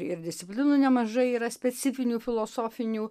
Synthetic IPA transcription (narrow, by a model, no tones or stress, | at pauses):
ɪɾd̪ʲɪst̪ʲɪpʲlʲɪnunʲɛmɐʒɐɪiːɾɐsʲpʲɛsʲɪfʲɪnʲuːfʲɪlˠoːsoːfʲɪnʲuː